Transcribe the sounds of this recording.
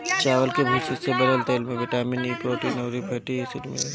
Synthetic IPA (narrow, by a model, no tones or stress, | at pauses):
t͡ʃaːʋəlkebʱiːsisebɐd̪əlt̪elmẽʋɪʈaːminiːpɾoːʈineʊɾipʰeːʈiesɪʈmḛl